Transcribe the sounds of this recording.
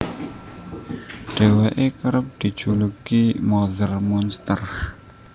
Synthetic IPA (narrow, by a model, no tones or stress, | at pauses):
ɖ̥eweʔekəɾəp̚d̪̥i̤̥ʒ̥ulukimɔðərmɔnst̪ər